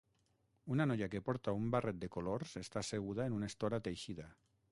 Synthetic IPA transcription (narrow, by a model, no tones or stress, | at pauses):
unanoʎakepoɾt̪aumbaret̪̚d̪ekoloɾsest̪aseɣ̞uð̞aenunaest̪oɾat̪ejʃiða